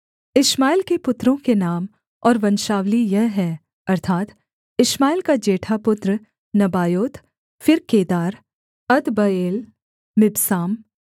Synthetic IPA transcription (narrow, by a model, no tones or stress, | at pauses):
ɪʃmaːɪlkepʊt̪ːɾõkenaːm | ɔːɾʋɐ̃nʃaːʋlijɛɦɦɛ̃ː | ɐɾt̪ʰaːt̪ | ɪʃmaːɪlkad͡ʒeːʈʰapʊt̪ɾ | nɐbaːjoːt̪ | fɪɾkeːd̪aːɾ | ɐd̪bɐeːl | mɪbsaːm